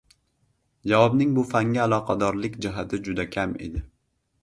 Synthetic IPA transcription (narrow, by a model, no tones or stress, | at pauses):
d͡ʒavɒbnɪŋbʊfaŋɡʲaːlˠɒqʰɑd̪ɒɾlɪkʲd͡ʒɪɦat̪ʰɪd͡ʒʊd̪akʲʰame̞̰d̪ɪ